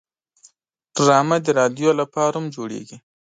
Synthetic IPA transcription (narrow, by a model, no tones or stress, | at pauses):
ɖ̥ɾɑmad̪əɾɑd̪jolapɑɾamd͡ʒoɽḛɡi